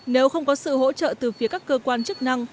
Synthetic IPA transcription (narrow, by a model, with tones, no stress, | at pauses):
ne˨˦wxə˧wŋ͡mkɔ˨˦sɨ̰˧˨ho̰˧˥t͡ɕə̰ː˧˨t̪ɨ˨˩fi˨˦əkaː˦˥kːəː˧kwaː˧nt͡ɕɨ˦˥k̚na˧ŋ